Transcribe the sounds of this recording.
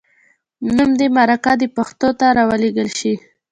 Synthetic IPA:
numd̪emaɾakad̪əpaxt̪ot̪aɾawaleɡəlʃi

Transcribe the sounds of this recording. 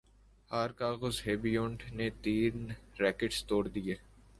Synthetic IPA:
haːɾkaːɣəzɦeːbiõɳɖnet̪iːnɾɛːkəɖst̪oːɽd̪ijeː

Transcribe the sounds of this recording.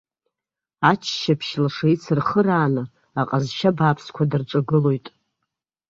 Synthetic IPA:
at͡ʃʰʃapʰʃlaʂait͡sʰɨrχəɾaːnɨ | aqʼazʃabaːpʰskʷʰadɨrʈ͡ʂʷʼaɡɨlo̞jtʼ

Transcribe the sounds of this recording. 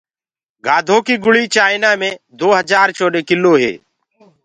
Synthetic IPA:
ɡaːd̪ʱõːkiːɡʊɭiːt͡ʃaːɪnaːmẽːd̪oːɦəd͡ʒaːɾt͡ʃoːɗeːkɪlːoːɦḛː

